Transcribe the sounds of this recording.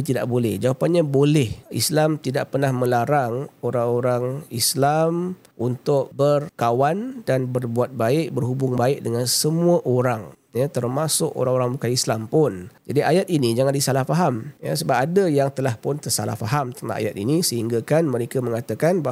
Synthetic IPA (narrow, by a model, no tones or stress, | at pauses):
t̪ida̰ʔbolɛ̰hd͡ʒawapanɲabolɛhḭslamt̪idaʔpərnahmə̃laɾaŋoɾaŋoɾaŋislam | unt̪ʊkbərkawandanbərbuat̪̚baɪʔ̚bərɦubʊŋbaɪʔ̚dəŋansəmuəʔoɾaŋ | jat̪ərmasʊko̰ɾaŋoɾaŋbukanislampʊnd͡ʒadiʔajat̪̚inid͡ʒaŋandisalahfaɦamja̰səbap̚adajaŋt̪əlahpʊnt̪ərsala̰hfaɦamt̪əma̰a̰ja̰t̪̚ḭnisəhiŋɡakanməɾekamə̃ŋat̪akanba